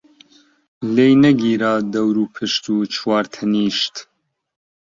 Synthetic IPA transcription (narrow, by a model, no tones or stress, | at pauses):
leːjnɐɡiːɾaːd̪ɐwɾuːpʰɨʃt̪uːt͡ʃʰwaːɾt̪ʰɐniːʃt̪